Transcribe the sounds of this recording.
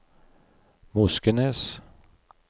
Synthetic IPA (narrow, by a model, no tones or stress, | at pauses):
mɵskənɛs